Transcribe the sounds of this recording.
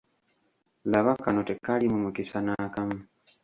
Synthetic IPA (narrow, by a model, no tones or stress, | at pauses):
laβakanotekːalimumukisanakamu